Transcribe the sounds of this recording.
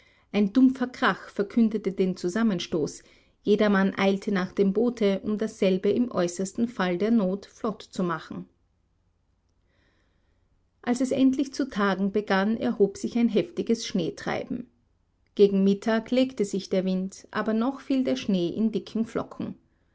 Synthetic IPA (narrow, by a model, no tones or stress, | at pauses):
ʔaɪndʊmfɐɡʁaxfɛɐkʰʏndətədeːnt͡suzamənʃtoːs | jeːdɐmanʔa̰ɪltʰənaːχd̥eːmboːtʰəʔʊmdasz̥ɛlbəɪmʔɔ̰ʏsɐstn̩faldeːɐnoːtflɔtt͡sumaχn̩ | ʔalsɛsɛntlɪçt͡sutʰaːɡŋ̩bəɡanɛ̰ɐhoːpz̥ɪçaɪnɦɛftɪɡəsʃneːtʁ̥a̰ɪbm̩ | ɡ̥eːɡŋ̩mɪtʰaːkleːktəzɪçd̥eːɐvɪntʔa̰ːbɐnɔxfiːldeːɐʃneːʔɪ̰ndɪkʰŋ̩flɔ̰kʰŋ̩